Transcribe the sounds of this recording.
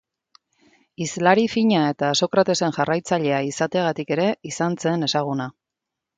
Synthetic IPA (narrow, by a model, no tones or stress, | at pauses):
izlaɾifiɲae̞t̪aːso̞kɾat̪e̞se̞ŋʝarajt͡saʎe̞aisat̪e̞aɣ̞at̪ike̞ɾe̞isant͡se̞ne̞saɣ̞una